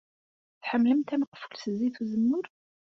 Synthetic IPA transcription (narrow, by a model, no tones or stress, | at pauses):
θħəmːləmt̪ænəqːəfulsəzːiθuzənːʊɾ